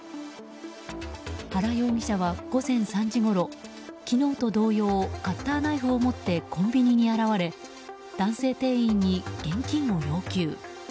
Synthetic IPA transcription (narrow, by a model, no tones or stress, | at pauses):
haɾajo̞ːɡʲiɕaβaɡ̥o̞zẽ̞ɰ̃sãɲd͡ʑiɡo̞ɾo̞ | kʲino̞ːt̪o̞d̪o̞ːjo̞ːkat̪ːaːnaiɸɯ̟omo̞t̪ːe̞kõ̞mbʲiɲ̟iɲ̟iaɾaβaɾe̞ | d̪̥ãɰ̃se̞ːt̪e̞ːĩɲ̟ːiɡ̥ẽ̞ŋkʲĩɰo̞ɾʲo̞ːkʲɨː